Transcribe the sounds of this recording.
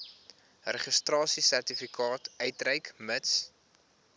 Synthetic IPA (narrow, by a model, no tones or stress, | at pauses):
rəχəstrɑːsisærtifikʰɑːtœjtrəjkməts